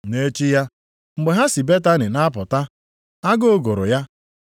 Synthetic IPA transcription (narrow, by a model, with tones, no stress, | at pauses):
ne˦t͡ʃi˦ja˦ | ŋ͡m̩˨ɡ͡be˨ɦa˦si˨be˦ta˦nɪ˨na˦pʊ˨ta˦ | a˦ɡo˦o˦ɡo˨ɾʊ̰˨ja˦